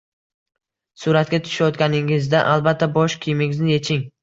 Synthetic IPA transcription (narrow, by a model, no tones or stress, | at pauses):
sʊɾat̪̚ɡʲat̪ʰʊ̥ʃajɒt̪kʲanɪŋɪzd̪aʔalbat̪ʰːabɒʃkʲʰɪjmɪŋɪznɪje̞t͡ʃʰɪŋ